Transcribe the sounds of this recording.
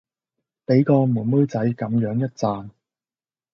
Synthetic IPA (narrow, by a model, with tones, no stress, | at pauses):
pe˨˥jkɔː˧muː˨˩nmu˥jt͡sɐ˨˥jkɐ˨˥mjœː˨˥ŋjɐ˥t̚t͡saː˧n